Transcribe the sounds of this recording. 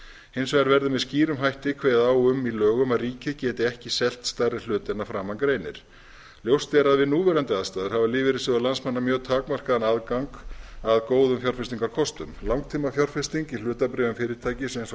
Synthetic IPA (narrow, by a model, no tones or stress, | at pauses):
hɪjnsvɛaɾvɛɾðʏmɛðsciːɾʏmɦajht̪ɪkʰveːjðaaːwʏmːilœːɣʏmaðriːcɪcɛːt̪ɪɛhcɪsɛl̥t̪st̪arɪ̥l̥ʏːt̪ɪnafɾaːmːankɾeːjnɪ̰ɾ̥ | ljowst̪ɛɾaðvɪðnuːvɛːɾant̪ɪaðst̪aːðʏɾ̥havalɪːvɪɾɪsɪðalansmanːamjœːt̪ʰaːkmar̥kaðanaðkaŋkaðkoːwðʏmfjɔr̥fɪst̪iŋkaɾkʰɔst̪ʏmlawŋkt̪ʰiːmafjɔr̥fɪst̪iŋcilʏːt̪apɾɛːvʏmfɪːɾɪɾt̪ʰaːjcɪsejns